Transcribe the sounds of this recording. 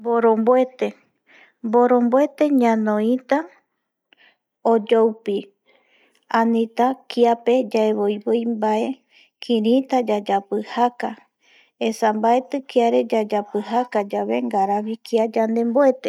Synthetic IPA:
boɾõmboet̪e̞ | mboɾo̞mboe̞t̪e̞ɲãnõĩt̪a | od͡ʒowpi | ãnĩt̪akiape̞d͡ʒaeβojβojmbae̞ | kʰĩɾĩt̪ad͡ʒad͡ʒapɨhaka | esambae̞t̪ɨkiaɾe̞d͡ʒad͡ʒapɨhakad͡ʒaβe̞ŋɡaɾaβikiad͡ʒand̪e̞mboe̞t̪e

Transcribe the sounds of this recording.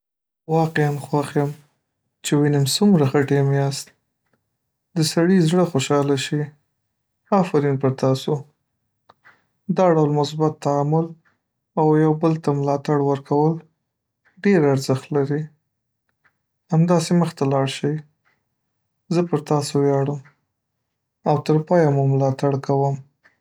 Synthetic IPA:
wɑqeanxwaxjəm | t͡ʃewinɪmsumɾaxəʈemeast̪̚ | d̪əsaɽizɽəxoʃɑlaʃi | afaɾinpəɾt̪ɑso | d̪ɑɖawlmʊsbat̪ːaamʊl | awjawbəlt̪amlɑt̪aɽwəɾkʰawəl | ɖeɾaɾzəxt̪laɾi | amd̪ɑseməxt̪alɑɽʃəw | zəpəɾt̪ɑsowjɑɽəm | awt̪əɾpɑjamumlɑt̪aɽkawəm

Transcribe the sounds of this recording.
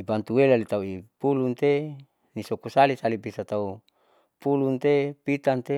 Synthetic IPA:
ibant̪uwelalit̪auipulunt̪e | nisokusalisalibisat̪au | pulunt̪epit̪ant̪e

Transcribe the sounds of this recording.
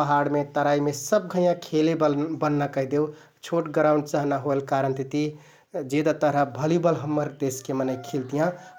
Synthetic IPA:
əɦaɽmet̪əɾaimesəb̚ɡʱəjãkʰelebənːakəid̪ew | t͡ʃʰoʈɡəɾaʊ̃ɳɖt͡ʃəɦnaɦoelkaɾənt̪it̪i | d͡ʒed̪at̪əɾəbʱəlibəlɦəmːəɾd̪eskemənəɪkʰelt̪ijã

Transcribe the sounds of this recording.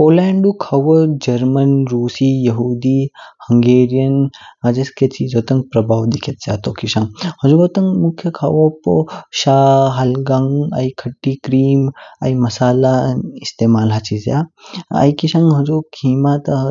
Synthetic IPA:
poːlɛːɳɖukʰɐʋɐd͡ʒɐɾmɐnɾuːsijɐɦuːd̪ihɐŋɡeːɾijɐnɦɐd͡ʒɐsket͡ʃiːzoːt̪ɐŋɡpɾɐbʱaːwd̪ikʰit̪̚zja̰ːt̪oːkiʃaŋhɐd͡ʒuɡoːt̪ɐŋmukʰːjɐkʰawopo̰ʃaːɦɐlɡɐŋa̰ikʰɐʈːikɾiːma̰imɐsaːlaist̪eːmaːlɦɐt͡ʃʰizja̰ɐ̰jkiʃãŋɡɦɐd͡ʒukʰiːmat̪

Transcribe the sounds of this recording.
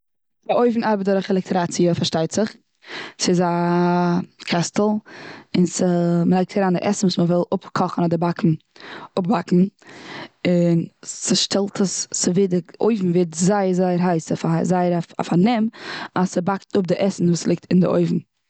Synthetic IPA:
d̥ɪʔoɪvn̩aɾbədɔɾəχɛlˠɛk̚tʰɾat͡siəfaɾʃtaɪtz̥ɪχ | sɪza | kʰastl̩ˠɪnsəməlaɪktʰaɾaːndɪ̰ʔɛsn̩vuːsməvɪlˠʊpkʰɔχn̩ɔdɪbakn̩ | ʊp̚bakn̩ | ɪnsɪʃtɛlˠtʰəssɪvedɪʔoɪvn̩vɛtzaɪəɾzaɪəɾɦaɪsəfazaɪəɾaa̰fanɛmasəbaktʊp̚dɪʔɛsn̩vuːslˠɪk̚tɪndɪ̰ʔo̰ɪvn̩

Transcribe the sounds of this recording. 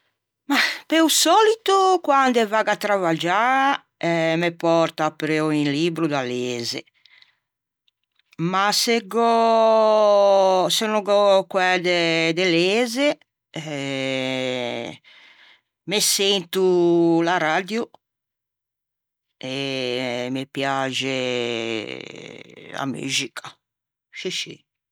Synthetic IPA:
mapeusɔːlit̪ukwand̪ɛvaːɡat̪ːɾavad͡ʒa | ɛmepɔɾt̪apːɾeɔinliːbɾud̪aleːzḛ | maseɡɔ | senɔɡɔkwɛd̪ɛd̪eleːze | mesent̪ulaɾad̪ju | e | mepjad͡ʒe | a̰my̰ːd͡ʒikʰa | ʃiʃḭ

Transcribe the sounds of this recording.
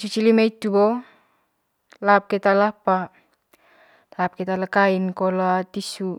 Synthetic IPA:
sut͡ʃilimait̪ubo | lap̚kɛt̪alapa | lap̚kɛt̪alakainkoloat̪isu

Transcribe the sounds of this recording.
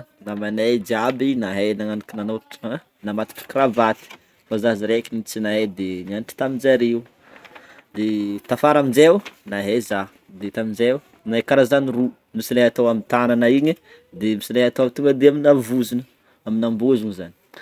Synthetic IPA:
namanejd͡ʒiabinaɦenaŋanikinanoʈ͡ʂ | namat̪u̥ki̥kɾavat̪i̥ | fazaziɾekinit͡sinaɦed̪eɲanʈ͡ʂi̥t̪amid͡ʒaɾiw | d̪et̪afaɾamind͡ʒenaɦeza | d̪et̪amind͡ʒew | naekaɾazaniru | misileat̪owamint̪ananaiɲi | d̪emisileɦat̪oamit̪uŋɡəd̪eaminavuzinə | aminambuzuɲizani̥

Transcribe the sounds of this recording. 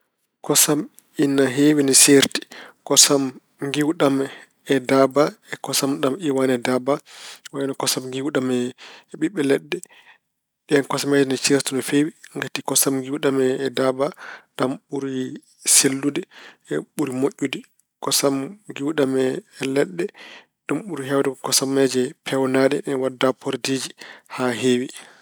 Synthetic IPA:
kɔsam | inːaɦewinɛseɾti̥kɔsam | ŋɡiwɗamɛ | ɛdabaɛkɔsamɗamiwanɛdabawaɛnɔkɔsamŋɡiwɗamɛɓiɓːɛlɛɗːɛ | ɗɛɛnkɔsamɛdɛnɛt͡ʃeɾtunɔfewiŋɡatikɔsamɡiwɗamɛːdabaɗamɓuɾi | selːudɛɛɓuɾimoʔʲːudɛ | kɔsamɡiwɗamɛːlɛɗːɛ | ɗumɓuɾiɦɛwdɛkɔsamːɛd͡ʒɛpʰɛwnaɗɛɗɛnwadːapʰoɾdiːd͡ʒihaɦeːwi

